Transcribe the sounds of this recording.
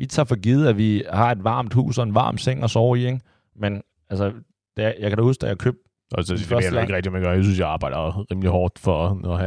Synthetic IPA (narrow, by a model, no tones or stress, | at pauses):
ʋit͡sʰɑ̈ːfɒ̽ɡ̥ið̞̩ˠæʋihɑ̈e̝d̥ʋɑ̈ːmd̥hṵːsɒ̽e̝nʋɑ̈ːm̥seŋ̰ɒsɒʊ̰ɐieŋ | men | ælsə | d̥æjɑ̈ɪkæɾɒ̥husɡ̥d̥æjækʰø̰b̥̚ | æsdifɶɐḭæeɡəʁɛɡ̥̚d̥imeɡ̥ɶɐjasynsjɑ̈ɪɑ̈ːb̥ɑ̈ɪd̥ɐʁiːmliɦɒːd̥fɒnɒhæ